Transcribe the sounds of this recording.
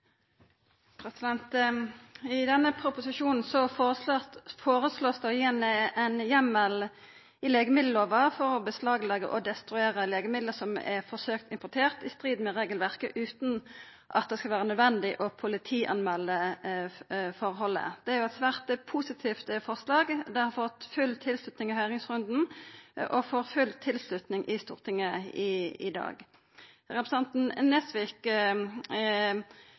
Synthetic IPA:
pʰɾɛsɪd̪ɛnt̪ | ɪd̪ɛnːəpʰʁʊpʊsɪʃuːnn̩sɔ | foːʁəsloːsd̪æɔjiːnɛɛnjɛmːəl | ɪleːɡəmɪd̪l̩oːʋəfɔʁɔbəslɑːɡlɑɡə̰ʔɔd̪ɛst̪ɾʉeːʁəleːɡəmɪd̪ləsɔmɛʁfɔʁsøːkt̪ɪmpʊt̪ʰeːʁt̪ɪst̪ʁiːd̪mɛʁeːɡəlʋæʁkəʔʉːt̪n | ʔɑ̰t̪̚d̪ɛskɑlʋæːʁənœd̪ʋɛnd̪ɪʔɔpʰʊlɪt̪ʰiːʔɑ̰nmɛlːə | fɔʁɦɔlːə̰d̪̥ɛæɾʁjʊɛt̪sʋæːʁt̪əpʰusɪt̪ʰiːft̪fɔʁslɑːɡd̪ɛhɑɾfɔt̪ːfʉlt̪ʰɪlslʉt̪nɪŋɪhœʏʁɪŋsʁʉnd̪n̩ʔɔfoːʁfʉlt̪ʰːɪlslʉt̪nɪŋʔɪst̪ṵːʁt̪ʰɪŋːəɪɪ̰d̪ɑ̰ːɡ | ʁɛpʁəsɛnt̪n̩nɛsʋɪk

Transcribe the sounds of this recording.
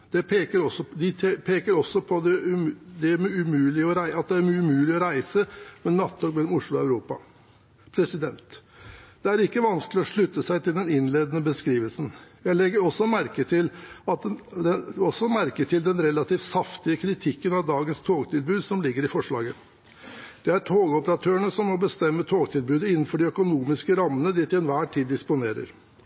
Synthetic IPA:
d̪̥ɛpʰeːkəɾɔsɔd̪ɪt̪ʰpʰeːkəɾɔsːɔpʰɔd̪ɛʉd̪ɛmʉmʉːlɪɔɾæɪʔɑt̪̚d̪ɛæɾmːʉmʉːlɪɔɾæɪsəmɛnɑt̪ʰːoːkmɛlːɔmʊʂɭʊɑʉɾuːpɑ̰ | pʰɾɛsɪd̪ɛnt̪d̪̥ɛæɾɪkːəʋɑnsklɪɔʂɭʉt̪ːəsæɪt̪ʰɪld̪ɛnɪnleːd̪ənəbəskɾiːʋəlsən̩jæɪlɛɡːəɾɔsɔmæɾkət̪ʰɪlɑt̪ɛɔsːɔmæɾkət̪ʰɪld̪ɛnɾɛlɑt̪ʰiːfsɑft̪ɪəkʰɾɪt̪ʰɪkːənɑʋd̪ɑːɡənst̪ʰoːɡt̪ʰɪlbʉːd̪sɔmlɪɡːəɾɪfɔʂɭɑ̰ːɡə | d̪̥ɛæʈʰoːɡəɔpəɾɑt̪ʰøːəɳəsɔmːɔbəst̪ɛmːət̪ʰoːɡt̪ʰɪlbʉːd̪əɪnːn̩fɔɖɪœkʊnuːmɪskəɾɑmːənəd̪ɪt̪ɪɛnʋæːʈʰiːd̪ːɪspʊneːɾə̰ɾ

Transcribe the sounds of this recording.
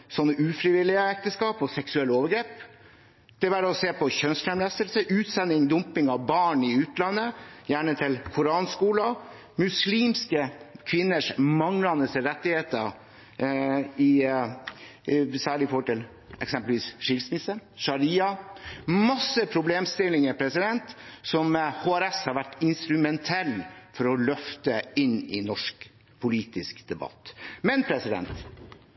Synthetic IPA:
sɔnːəʉːfɾɪʋɪlːɪəɛk̚t̪əskɑːpɔsɛksʉɛlːəoːʋəɡɾeːp | d̪̥ɛʋæːɾɔseːpʰɔçœnst̪ʰæmlæst̪əlsəʔʉːt̪sɛnːɪŋd̪ʊmpɪŋɑʋbɑːɳɪʉːt̪lɑnːəjæːɳət̪ʰɪlkʰʊɾɑːnskuːlɑ | mʉsliːmskəkʰʋɪnːəʂmɑŋlɑnəsɾɛt̪ːɪheːt̪ə | ɪ | sæːɭɪfoːʈɪl | ɛksɛmpəlʋiːsʂɪlsmɪsəʂɑɾiːɑ | mɑsːəpʰɾʊbleːmst̪ɪlɪŋəɾpʰɾɛsɪd̪ɛnt̪sɔmhoːæɾɛshɑɾʋæʈːɪnst̪ɾʉmɛnt̪ʰɛlːfɔɾɔlœft̪əɪnːɪnɔʂk | pʰʊliːt̪ɪskd̪̥ɛbɑ̰t̪ːmɛnpʰɾɛsɪd̪ɛ̰nt̪

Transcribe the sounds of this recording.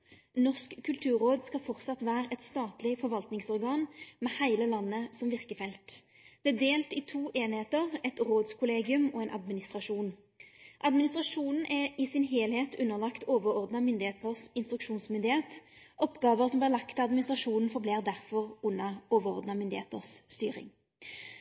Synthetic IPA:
nɔʁskkʰːʉlt̪ʰʉːʁoːd̪skɑfɔʁt̪sɑt̪ʋæːʁəʔɛt̪st̪ɑːt̪lɪfɔʁʋɑlt̪nɪŋsɔʁɡɑːnmɛhæɪləlɑnːəsɔmʋɪʁkəfɛlt̪ | d̪̥ɛæd̪eːlt̪ɪt̪ʰuːʔeːnɪheːt̪əʁɛt̪ʁoːd̪skʰʊleːɡɪʉmɔɛɪnʔɑ̰d̪mɪnɪst̪ʁɑʂuːn | ʔɑd̪mɪnɪst̪ʁɑʂuːnn̩ʔɛɪsɪnɦeːlheːt̪ʉnːəʁlɑkt̪oːʋəɾɔʁd̪nɑmʏnd̪ɪheːt̪əʁsɪnst̪ɾʉkʃuːnsmʏnd̪ɪheːt̪ | ɔpɡɑːʋəʁsɔmblɪʁlɑkt̪ʰɑd̪mɪnɪst̪ʁɑʂuːnn̩fɔʁbleːʁd̪æʁfɔʁʉnːɑoːʋəʁɔ̰ʁd̪nɑmʏnd̪ɪhḛːt̪ə̰ʁsːt̪y̰ːʁɪ̰ŋ

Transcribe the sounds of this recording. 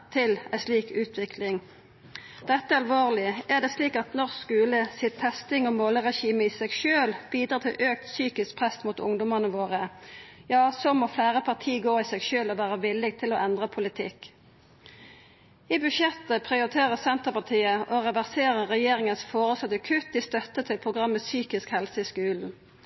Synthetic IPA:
t̪ʰɪlæsliːkʉːt̪ʰʋɪkʰlɪŋ | d̪̥ɛt̪ːəɑlʋoːʁlɪæd̪ɛːsliːkɑt̪nɔʁsskʉːləsɪt̪ʰːɛst̪ɪŋɔmoːləʁɛʃiːməiːsɛɡʃøːlb̥iːd̪ʁɑːt̪ʰɪ̰lʔøːk̚t̪syːkɪsk̚pʰʁɛst̪muːt̪ʊ̰ŋd̪ʊmənəʋoːʁəjɑːsoːmɔflæːʁəpʰɑʁt̪ʰiːɡoːɪsɛɡʃøːlɔʋæːʁəʋɪlːɪɡt̪ʰɪlɔʔɛnd̪ʁəpʰʊlɪt̪ʰɪ̰kː | ɪbʉʃjɛt̪ːəpʰʁɪʊɾɪt̪ʰeːʁəsɛnt̪əpɑt̪ʰiːəʔɔʁɛʋæʁseːʁəʁɛjeːɾɪŋənsfoːʁəsɑt̪ːəkʰʉt̪̚d̪ɪst̪œt̪ːət̪ʰɪlpʰʁʊɡʁɑmːəsyːkɪskhɛlsəɪskʉːln̩

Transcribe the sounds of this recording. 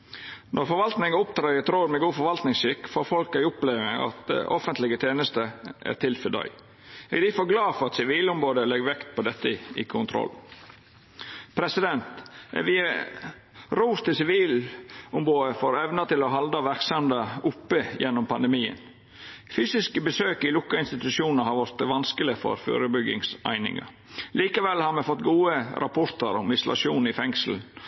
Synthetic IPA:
nʔɔɾfɔɾʋɑlt̪nɪŋəʊpt̪ʰɾɑɪət̪ʰɾoːɾmɛɡuːfɔɾʋɑlt̪nɪŋsʏkːfoːɾfɔlkæɪʊpleːʋɪɑ̰t̪̚d̪ɛ̰ʔɔfənt̪lɪɡət̪ʰeːnəst̪əʔæ̰ɾt̪ʰɪlfəd̪ɑ̰ʏ | ɛ̰ːɡd̪ifoːɾɡlɑːfɔɾɑt̪sɪʋiːlʊmɾoːd̪əlɛɡʋɛkt̪̚pʰɔd̪ɛt̪ːəɪkʰʊnt̪ʰɾɔ̰lː | pʰɾɛsɪd̪ɛnt̪ʋiːɑ | ɾuːst̪ɪsɪʋiːlʊmboːd̪əfoːɾɛʋnət̪ɪlɔɦɑld̪ɑʋæɾksɑmd̪əʊpːəjɛnːɔmpʰɑnd̪əmiːə̰n | fyːsɪskəbəsøːkɪlʊkːɑɪnst̪ɪt̪ʉʃjuːnəhɑɾʋɑɾt̪ʋɑnskəlɪfɔ̰ɾfø̰ːɾəbʏɡɪ̰ŋsæ̰ɪnɪ̰ŋɑ̰ | liːkɑʋɛlhɑɾmɛfɔt̪ːɡuːəɾʔɑpʰɔɾt̪əɾɔmɪslɑ̰ʂuːnɪfɛŋsl̩n̩

